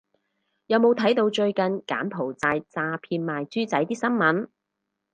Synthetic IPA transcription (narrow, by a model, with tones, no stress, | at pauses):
jɐ˨˧wmo˨˧wt̪ʰɐ˨˥jt̪o˧wt͡ʃɵ˧ɥkɐ˨nka̰ː˨˥npʰo˨˩wt͡saː˧jt͡saː˧pʰiː˧nmaː˨jt͡syː˥t͡sɐ˨˥jt̪iː˥sɐ˥nmɐ˨˥n